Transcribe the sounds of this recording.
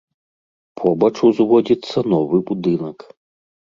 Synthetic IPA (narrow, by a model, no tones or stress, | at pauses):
pʰɔbɐt͡ʂuzvɔd͡zʲit̪sːɐnɔvɨbud̪ɨnɐk